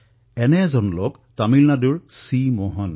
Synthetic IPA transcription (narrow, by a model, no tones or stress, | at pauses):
ɛnɛzɔnlok | tamilnaduɹsimɔɦɔn